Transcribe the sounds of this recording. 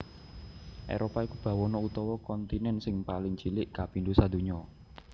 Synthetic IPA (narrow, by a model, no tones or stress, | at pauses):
ʔḛɾopaikub̥ä̤wɔnɔut̪ɔwɔkɔnt̪inɛnsɪŋpalɪŋt͡ʃilɪʔkapind̪usad̪̥ṳɲɔ